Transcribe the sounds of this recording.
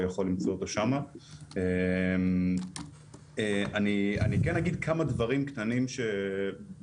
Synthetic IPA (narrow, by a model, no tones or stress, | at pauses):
jaχo̞lːimt͡so̞ot̪o̞ʃamaem | eʔania̰nikɛnaɡid̪kʰamad̪vaʁimkt̪animʃe̞